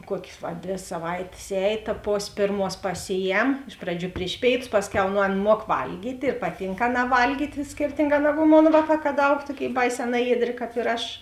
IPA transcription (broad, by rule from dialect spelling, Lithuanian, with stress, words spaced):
ˈkuɔkʲeːs ʋɐ ˈdʲʋʲeː sɐˈʋɐɪtʲeːs ˈɛːj tɐ ˈpoːsʲ ˈpʲeːrˌmuɔs pɐˈsʲɪˌjɛm ˈɪʃ prɐˌd͡ʒʲuː ˈpʲrʲɪʃ pʲeːɪˌtʊs ˈpɑːsʲˌkʲɛʊ nʊ ˈɐn ˈmuɔk ˈʋɐlʲɡʲiːtʲ ɪr ˈpɑːˌtʲiːŋk ˈɑːˌnɑː ˈʋɐlʲɡʲiːtʲ ˈsʲkʲɪrʲtʲɪŋˌɡɑː ˈnɑːɡʊ ˈmoːn ˈʋɑːˌkɑː kɐt ˈɐʊk ˈtuɔˌkʲeːɪ ˈbɐɪˌsʲɛː ˈnɑːjiɛˌdʲrʲeː ˈkɑːp ɪr ˈɐʃ